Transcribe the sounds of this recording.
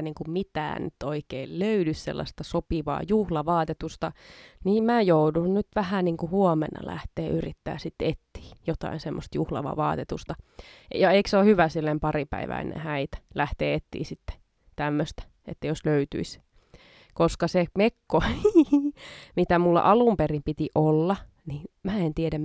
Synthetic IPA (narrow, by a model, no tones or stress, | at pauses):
niːŋkummit̪æ̰ːnnyt̪oikeilløydyssḛlːɑ̰st̪ɑsopiʋɑ̰ːjuhlɑʋɑːt̪et̪ust̪ɑniːmmæːjoudunnyt̪ʋæhæniːŋkuhuomḛnːɑ̰læ̰ht̪eːyrit̪ːæ̰ːsit̪ːet̪ːi̥ːjot̪ɑ̰insemːost̪juhlɑ̰ʋɑ̰ʋɑ̰ːt̪et̪ust̪ɑjɑeiksohyʋæsilːempɑripæ̰iʋæ̰inḛ̃hæit̪æ̥læht̪eːet̪ːḭːsit̪ːe̥ | t̪æmːøst̪æ̥ | ḛt̪ːæjosløyt̪y̰is | koskɑsemekːo | mit̪æmulːɑ̰ʔɑlumperimpit̪iʔolːɑ | niːnmæːent̪ieɾæm